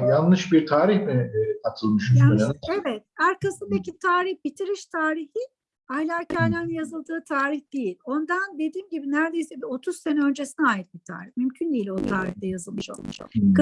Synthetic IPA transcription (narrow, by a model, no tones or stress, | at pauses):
janːɯʃbiɾt̪ʰaːɾiçmiat̪ʰɯlˠmyʃanevɛt̪̚æɾkasɯnd̪ecit̪ʰaːɾihbit̪ʰiɾiʃt̪ʰaːɾihi | alʲaːcʰajlʲæɾnjazɯlˠd̪ɯːt̪ʰaːɾiçd̪̥ejilʲo̞nd̪and̪e̞d̪iːmɟibinæɾd̪e̞jsɛbio̞t̪ʰuzsenɛø̞nd͡ʒe̞sinɛaːjit̪̚bit̪ʰa̰ːɾiçmymcʰynd̪ejilʲo̞t̪ʰaːɾiçd̪ɛjazɯlˠmɯʃo̞̰lˠmṵʃk